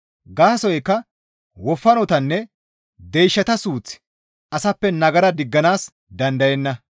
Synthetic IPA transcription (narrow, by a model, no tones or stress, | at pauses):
ɡaːsɔjɛkːɐ | wɔfːɐnɔt̪ɐnːɛ | d̪ejʃːɐt̪ɐsuːt͡sɪ̥ | ɐsɐpːɛnɐɡɐɾɐd̪ɪɡːɐnaːs | d̪ɐnd̪ɐjɛnːɐ